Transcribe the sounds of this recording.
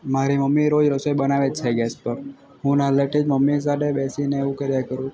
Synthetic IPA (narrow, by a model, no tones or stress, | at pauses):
maɾiməmːiɾod͡ʒɾəsojbənaʋet͡ʃʰɛɡɛspəɾ | ɦũnaleʈid͡ʒməmːis̬aɖebɛsineʋũkeɾjakəɾũ